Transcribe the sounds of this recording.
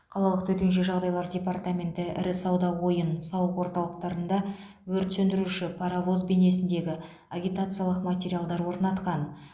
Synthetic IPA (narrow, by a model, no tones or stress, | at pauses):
qʰɑlˠɑlˠəqt̪ʰɵt̪enʃ̬ɪʒɑʁd̪ɑjlˠɑɾdʲe̞part̪amʲe̞nt̪ɪʔɪ̰ɾɪsɑwd̪ɑwo̞jənsɑwəqwo̞ɾt̪ɑlˠəq̚t̪ɑɾənd̪ɑ | wɵɾt̪sɵnd̪ɪɾuʃɪpʰaɾavo̞zbe̞ne̞sɪnd̪e̞ɡʲɪ | aɡʲijt̪at̪sɨjalˠəqmatʲeɾʲijalˠd̪ɑɾwo̞ɾnɑt̪qɑn